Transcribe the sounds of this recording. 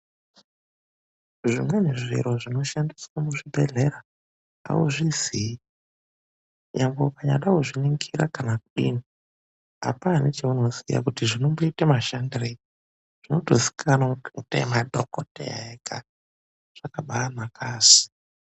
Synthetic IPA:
ʐimweneʐḭɾo̞ʐino̞ʃandiswamuʐibʱe̞ɮe̞ɾa | a̰uʐizii | jambokaɲa̰ɗauʐiniŋɡiɾakanakuɗḭːni | a̰panet͡ʃeuno̞zḭja̰kutiʐinomboitemaʃandire | ʐ̥inotosi̥kʰanautemadʱokotḛka̰ | ʐ̥akaɓaːmakaːsi̥

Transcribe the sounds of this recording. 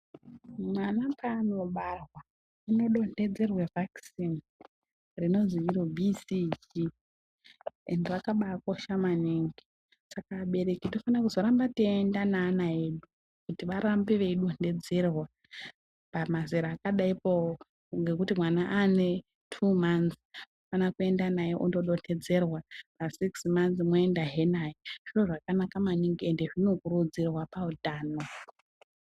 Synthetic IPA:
mwanapano̞ɓarwa | ino̞ɗo̞nde̞d͡ze̞rwevʱaksin | rino̞ziiɾobʱisid͡ʒi | ḛndeʋakaɓakoʃamaniŋɡi | sakaɓe̞ɾe̞kitofanakuzo̞ɾambatendanaːnaeɗu | kutiʋaɾambiʋe̞iɗonde̞d͡zerwa | pamaziɾaːkaɗaipoo | ŋɡe̞kutimwanaʔane̞ | tʰumansofanakue̞ndanajeʔundo̞ɗo̞ne̞d͡ze̞rwapasiksmanθimoendaɦe̞najeʐ̥iroʐakanakamaniŋɡiende̞ʐino̞kurud͡zirwapaudaːno

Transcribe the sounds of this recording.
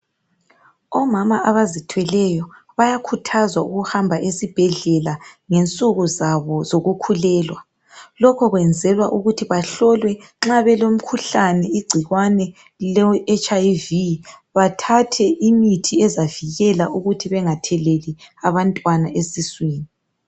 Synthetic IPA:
ɔmamaʔaβazitʰwɛlɛjɔ | βajakʰutʰazwauɣuhambʱaʔesib̥ʱɛɮɛlaŋent͡sʼuɣuzaβɔzoɣukʰulɛːlwa | lɔkʰɔɣwɛnd͡zʱɛlwa̰ʔuɣutʰiβaɬɔlwɛ | ŋ͡ǁaβɛlom̩kʰuɬanɛiɡ͡ǀʱiɣwanɛ | lɛɛt͡ʃaviβatʰatʰɛʔimitʰiɛzaviɣɛlaʔuɣutʰiβɛŋatʰɛleliaβantʼwanaʔesisweːni

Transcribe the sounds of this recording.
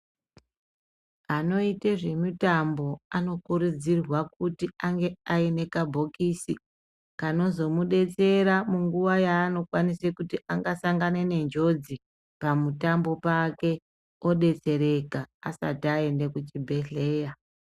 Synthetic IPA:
ano̞iteʐe̞mutambo̞ano̞kuɾud͡zirwak̚utiaŋɡe̞aene̞kabʱo̞kisi | kano̞zo̞muɗe̞t͡se̞ɾamuŋɡuʋajaːno̞kwanisekutiʔaŋɡasaŋɡanene̞nd͡ʒo̞d͡zi | pamutambo̞pake̞ | o̞ɗe̞t͡se̞ɾe̞kaasa̰tae̞nde̞kut͡ʃibʱe̞ɮe̞ːja

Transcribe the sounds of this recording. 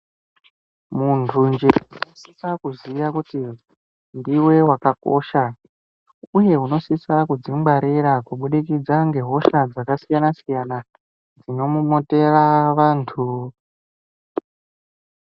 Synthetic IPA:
muntʰund͡ʒeunosisakuziʋakuti | ndiwe̞wakako̞̰ːʃa | uje̞uno̞sisakud͡zimbaɾiɾakuɓuɗikid͡zaŋɡe̞ɦo̞ʃad͡zakasijanasijana | d͡zino̞mumote̞raʋaːntʰu

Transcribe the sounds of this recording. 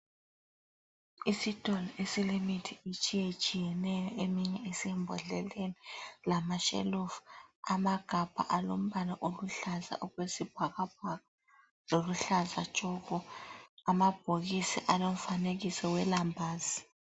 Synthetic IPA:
isid̥ʼʱɔlɔʔesilimitʰiit͡ʃʼijet͡ʃʼijɛnɛjɔʔemiɲɛesiɛmbʱɔ̰ɮɛlenilamaʃḛlufamaɡ̥ʱab̥ʱa̰ʔalom̩βanaʔoluɬaza̰ʔoɣwesib̥ʱaɣab̚aɣa | loluɬazḁt͡ʃʼɔɣɔamab̥ʱoɣisḭʔalom̩faneɣisɛwɛlambʱaːzi

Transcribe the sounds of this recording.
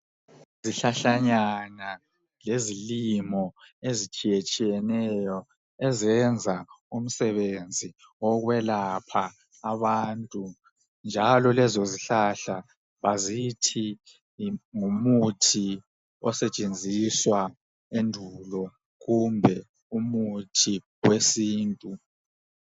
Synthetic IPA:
ziɬaɬaɲana | lezilimɔezit͡ʃʼijet͡ʃʼijɛnɛjɔ | ɛzɛnd͡zʱaum̩sɛβend͡zʱi | ɔɣwɛlapʰaː | βaːntʼu | nd͡ʒʱalɔlɛzoziɬaɬa | βazitʰi | ŋumutʰi | ɔ̰sɛt͡ʃʼend͡zʱiswa | endʱulɔ | ɣumbʱɛ | umutʰi | wesiːntʼu

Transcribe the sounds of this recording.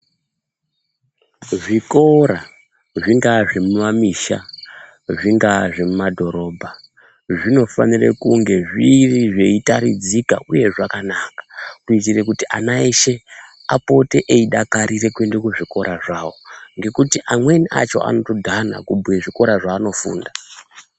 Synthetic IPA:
ʐiko̞ɾa | ʐiŋɡaʐemumamiʃa̰ | ʐiŋɡaʐemumadʱo̞ɾo̞ːbʱa | ʐino̞fa̰nirḛkuŋɡe̞ʐiriʐe̞itaɾḭd͡zika̰ʔuje̞ʐakanakḁkuit̬ire̞kutiʔa̰naeʃe̞apo̞te̞ʔeiɗakaɾire̞kwendekuʐiko̞ɾʔaʐaːwo̞ŋɡe̞kutiʔamwe̞niʔa̰t͡ʃo̞̰ʔa̰no̞to̞dʱana̰kubweʐiko̞ɾaʐaːno̞fṵːnda

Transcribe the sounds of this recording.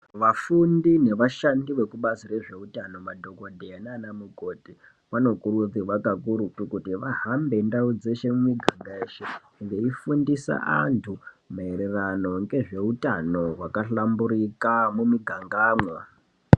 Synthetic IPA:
ʋafundine̞ʋaʃandiʋe̞kuɓasire̞ʐe̞utano̞madʱo̞ɡodʱeananamuɡʱoːti | ʋano̞kurud͡ziʋakakuɾutukutiʋaɦambe̞ndaud͡ze̞ʃe̞mumiɡʱaŋɡaeʃe | ʋeifundisa̰a̰ntʰu | maeɾe̞rano̞ŋɡe̞ʐe̞utano̞ɦwakaɬambuɾikamumiɡʱaŋɡaːmwa

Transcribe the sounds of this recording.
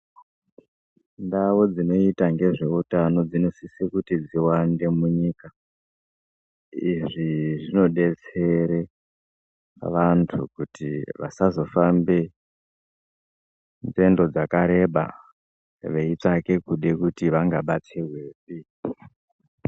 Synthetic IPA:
ndawo̞d͡zino̞itaŋɡe̞ʐe̞utano̞d͡zino̞sisikutid͡ziwande̞muɲiːka | iʐiʐino̞ɗe̞t͡se̞ɾe | ʋantʰṵkutiʋa̰sazo̞fambe | nd͡ze̞ndo̞d͡zakaɾe̞ɓa̰ | ʋe̞it͡ʂake̞kuɗe̞kutiʋaŋɡaɓat͡sewesi

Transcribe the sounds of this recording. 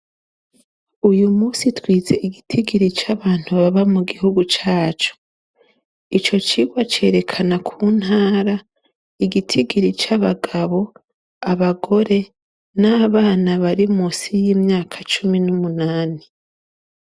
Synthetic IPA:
ujumuːsitwiːze̞ʔiɡitʰiɡiɾit͡ʃaβaːn̥huβaβamuɡihuɡut͡ʃaːt͡ʃu̥ | it͡ʃo̞t͡ʃiːɡwat͡ʃe̞̰ɾe̞kʰanakʰuːn̥haːɾa | iɡitʰiɡiɾit͡ʃaβaɡaβo̞ | aβaɡo̞ɾe̞ | naːβaːnaβaɾimusijiːmɲaːkʰḁt͡ʃuminumunaːni

